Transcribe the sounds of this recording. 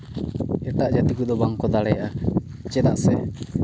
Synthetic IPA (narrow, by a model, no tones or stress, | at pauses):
ɛʈaʔd͡ʒat̪ikud̪ɔbaŋkɔd̪alɛja | t͡ʃɛd̪aʔsɛ